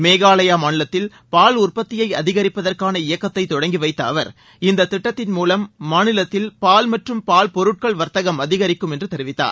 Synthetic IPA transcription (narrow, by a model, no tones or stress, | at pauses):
meːɣaːlɐjaːmaːnɪlɐt̪ːɪl | paːlʊrpɐt̪ːɪjɐɪɐðɪɣɐɾɪpːɐðɐrkaːnɐɪjɐkːɐt̪ːɐɪt̪ːɔɽɐŋɡiʋɐɪt̪ːɐːʋɐɾ | ɪnd̪ɐt̪ːɪʈːɐt̪ːɪnmuːlɐmːaːnɪlɐt̪ːɪlpaːlmɐʈrɯmpaːlpɔɾɯʈ̚kɐɭʋɐɾt̪ɐɣɐmɐðɪɣɐɾɪkːɯmɛndrɯt̪ɛɾɪʋɪt̪ːa̰ːɾ